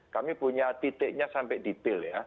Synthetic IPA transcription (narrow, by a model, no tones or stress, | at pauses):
kamipuɲat̪it̪ɪʔɲasampɛdit̪ɪlja